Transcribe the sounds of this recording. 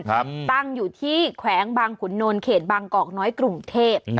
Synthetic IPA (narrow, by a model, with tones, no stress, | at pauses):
pt̪a˥˩ŋjuː˨˩t̪ʰiː˥˩kʰwɛː˩˦ŋbaː˧ŋpʰu˩˦nːo˧nkʰeː˨˩t̪̚baː˧ŋkɔː˨˩k̚nɔː˦˥jkɾu˧ŋt̪ʰeː˥˩p̚